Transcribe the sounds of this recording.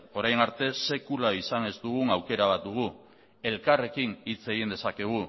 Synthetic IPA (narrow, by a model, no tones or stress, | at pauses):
o̞ɾajnaɾt̪e̞se̞kulaisane̞zd̪uɣ̞uŋawke̞ɾaβat̪̚d̪uɣ̞u | e̞lkare̞kinit͡se̞ɣind̪e̞sake̞ɣ̞u